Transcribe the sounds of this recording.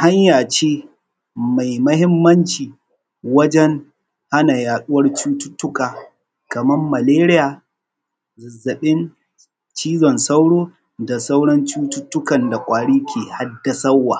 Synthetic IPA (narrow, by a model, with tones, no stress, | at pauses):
ha˦ɲjaː˨t͡ʃeː˦ | ma˨jmɐ˦hɪ˦mːɐ˦nt͡ʃiː˨ | wɐ˦d͡ʒɛ˦ŋ | ha˦na˨jaː˨ɗʊ˦wɐ˦rt͡ʃuː˦tʊ˦tːʊ˦kaː˨ | kɐ˨mɐ˦mːɐ˨leː˦ɾɪ˦jaː˨ | zɪ˨zːɐ˨ɓɪ˦n | t͡ʃiː˦zɔ˨nsa˦wɽoː˦ | da˨sa˦wɽɔ˦nt͡ʃuː˦tʊ˦tːʊ˦kɐ˨nda˨kʷʼaː˨ɽiː˦kʲʰeː˨ha˦dːa˦sɐ˦wːaː˨